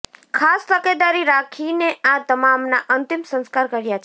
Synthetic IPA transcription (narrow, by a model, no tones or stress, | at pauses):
kʰast̪əked̪aɾiɾakʰineʔãt̪əmamnaʔənt̪imsə̃nskaɾkəɾjat͡ʃʰ